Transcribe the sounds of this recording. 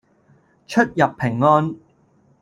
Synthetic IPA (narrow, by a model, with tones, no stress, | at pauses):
t͡ʃʰɵ˥t̚jɐ˨pʰːɪ˨˩ŋːɔː˥n